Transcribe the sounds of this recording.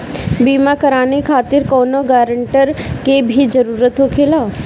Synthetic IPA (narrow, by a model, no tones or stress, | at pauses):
biːmakəɾaːnekʰaːt̪ɪɾkɔːnoɡaːɾəɳʈəɾkebʱid͡ʒəɾuːɾət̪ɦoːkʰeːlaː